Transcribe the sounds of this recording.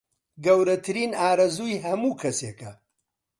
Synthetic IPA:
ɡɐwɾɐt̪ʰɨɾiːnaːɾɐzuːjɦɐmuːkʰɐseːkɐ

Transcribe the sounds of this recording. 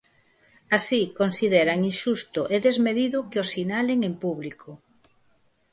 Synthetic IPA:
asikonsiðeɾaŋinʃust̪ʊʔeðezmeðiðʊkɪosinaleŋẽmpuβlikʰo

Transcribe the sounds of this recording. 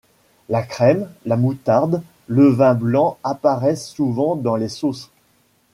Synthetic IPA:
lakχɛmlamut̪aʁd̪ | ləvɛ̃blɑ̃apaʁɛsːuvɑ̃d̪ɑ̃lesos

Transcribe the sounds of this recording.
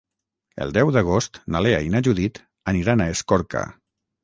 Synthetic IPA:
ə̰lˠd̪ɛwðəɣ̞ost̪nalea̰inaʒuðit̪ | əniɾanaeskɔɾka̰

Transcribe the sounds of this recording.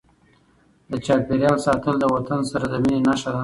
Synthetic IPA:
d̪ət͡ʃɑpeɾjɑlsɑt̪əld̪əwat̪ansaɾad̪əminenaʃad̪a

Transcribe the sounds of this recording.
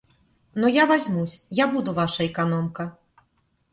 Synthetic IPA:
nujavazʲmusʲjabud̪uvaʂɐɛkanɔmkɐ

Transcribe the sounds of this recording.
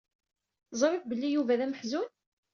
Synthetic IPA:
zˤɾˤifbəlːijuvæðæməħzun

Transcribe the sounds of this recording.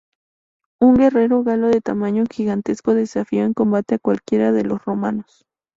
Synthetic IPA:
uŋɡe̞re̞ɾo̞ɣalo̞ðe̞t̪amaɲoxiɣant̪e̞skoðe̞safioeŋko̞mbat̪eakwalkje̞ɾaðe̞lo̞sro̞manos

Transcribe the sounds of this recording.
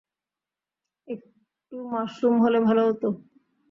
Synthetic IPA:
ek̚ | ʈumaʃumɦolebʱaloɦot̪o

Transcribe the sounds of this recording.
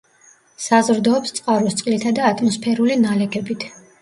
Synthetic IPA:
sazɾd̪ɔːpst̪sʼqʼaɾust̪sʼqʼlit̪ʰad̪aːt̪ʰʼmɔspʰɛɾulinalɛkʰɛbit̪ʰ

